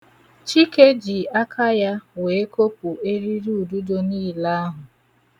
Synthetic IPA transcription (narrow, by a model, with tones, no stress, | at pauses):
t͡ʃi˦ke˦d͡ʒi˨a˦kʰa˦ja˦we˨˦ko˦pu˨e˦ɾi˦ɾu˦u˨du˦do˦niː˦˨la˦a˦ɦʊ˨